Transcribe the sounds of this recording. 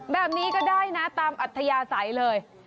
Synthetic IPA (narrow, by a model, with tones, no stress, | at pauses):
bɛː˨˩p̚niː˦˥kɔː˥˩daː˥˩jna˦˥t̪aː˧mʔa˨˩t̪ʰːa˧jaː˧sa˩˦jlɤː˧j